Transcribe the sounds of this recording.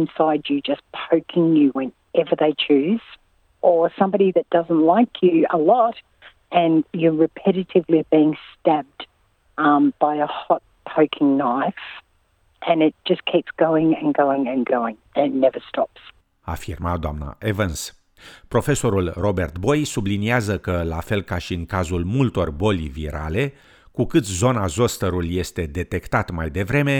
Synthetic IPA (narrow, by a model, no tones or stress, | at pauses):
nsaɪd͡ʒɨd͡ʒʌspʰoʊkʰɪ̃ŋjɨwɨ̃n | ɛvə˞ðeɪt͡ʃʰʉz̥ | ʔə˞sʌ̃mbɑɾiðɨt̚d̥ʌzə̃n̩ʔlaɪkʰjɨəlɔt | ʔɨ̃njə˞ɹɨpʰɛɾɨɾɨvlibiɪ̃ŋstæb̚d̥ | ʌ̃mb̥aɪəhɑt̚pʰoʊkʰɪ̃ŋnaɪf | ʔɨ̃nɪt̚d̥ʒ̥ʌskʰipsɡ̥oʊɪ̃ŋɨ̃nɡoʊɪ̃ŋɨ̃nɡoʊɪ̃ŋɨ̃nɨtⁿnɛvə˞stɑps | a̰ːfirmad̪oamna̰ʔevəns | pɾo̞fe̞so̞ɾulro̞be̞rt̪bo̞jsubliniazəkəlafe̞lkaʃiɨŋkazulmult̪o̞rbo̞lʲviɾʔa̰le̞ | kukɨt̪zo̞nazo̞st̪əɾulje̞st̪e̞d̪e̞t̪e̞kt̪at̪majd̪e̞vɾe̞me̞